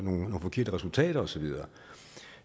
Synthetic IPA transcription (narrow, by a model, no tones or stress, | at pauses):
no̝ːnnoːn̩fɒ̽kʰe̝ɐ̰d̥əʁɛsult͡sʰɛ̰ːɾ̥ɐɒ̽sɒ̽ʋiðˠɐː